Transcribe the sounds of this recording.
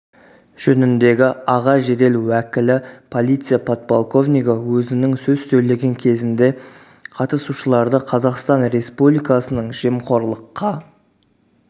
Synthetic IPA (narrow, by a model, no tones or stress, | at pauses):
ʒ̥ɵnɪnd̪e̞ɡʲɪɑʁɑʒe̞d̪e̞luækʲɪlɪpʰo̞lˠijt̪sɨjapʰot̪̚polˠko̞vnijɡawɵzɪnɪŋsɵzsɵjle̞ɡʲe̞ŋkʲʰe̞zɪnd̪e̞ | qʰɑt̪əsuʃəlˠɑɾd̪əqʰɑzɑqst̪ɑnɾe̞spublˠijkɑsənəɴʒe̞mqʰo̞ɾlˠəqːɑ